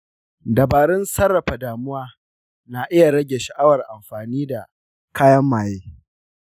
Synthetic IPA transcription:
dɐ˨baː˨ɾɪ˦nsɐ˦rːɐ˨ɸa˨daː˨mʊ˦waː˦ | na˨ʔɪ˦ja˨ɽɐ˦ɡʲe˨ʃɐ˨ʔa˦wɐ˨rʔa˨mɸaː˨niː˦da̰˨ | kʰaː˦jɐ˦mːaː˨jeː˦

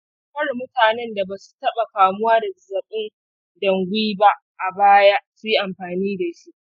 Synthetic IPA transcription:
kɐ˦rmʊ˦taː˨nɛ˦nda˨baː˨su̥˨tɐ˦ɓa˨ɸaː˨mʊ˦waː˦da˨zɐ˨ɓɪ˦n | dɐ˨ŋɡʷiː˦ba˦ʔʔa˨baː˦ja˦su˦ji˦ʔa˨mɸaː˨niː˦da˨ʃi˦ʔ

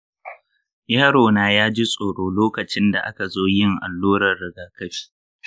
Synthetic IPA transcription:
jaː˦ɽoː˨naː˦jaː˦d͡ʒi˦sʼoː˨ɽoː˦loː˦kɐ˨t͡ʃɪ˦nda̰˨ʔa̰˦ka˨zoː˦jɪ˦ŋʔa̰˨lːuː˦ɾɐ˨rːɪ˨ɡaː˦kɐ˦ɸi̥ː˦

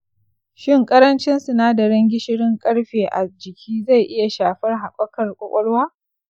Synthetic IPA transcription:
ʃɪ˦˨ŋkʼɐ˦ɾɐ˦nt͡ʃɪ˦nsu˨naː˦dɐ˨ɽɐ˦ŋɡʲɪ˦ʃɪ˦ɽɪ˦ŋkʼɐ˦ɽɸeː˨ʔa̰˨d͡ʒɪ˨kʲʰiː˦za˦˨jʔɪ˦ja˨ʃaː˨ɸɐ˦rɦa˨kʷʼɔ˦kɐ˨rkʷʼɔ˦kʷʼɔ˦ɽwaː˦

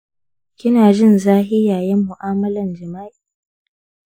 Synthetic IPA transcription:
kʲɪ˦naː˨d͡ʒɪ˦˨nzaː˦ɦɪ˦jaː˨jɛ˦mːʊ˨ʔaː˦mɐ˦lɐ˨nd͡ʒɪ˨ma˦ʔi˨

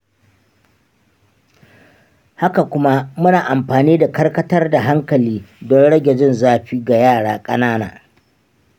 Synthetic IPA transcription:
ha˦ka˨kʷʊ˦ma˦mʊ˦naː˨ʔa˨mɸaː˨niː˦da˨kɐ˦rkɐ˦tɐ˦rda˨ɦa˦ŋkɐ˨liː˦dɔ˦nɽɐ˦ɡʲɛ˨d͡ʒɪ˦nzaː˦ɸiː˦ɡa˨jaː˦˨ɽaː˦kʼɐ˦naː˦na̰ː˨

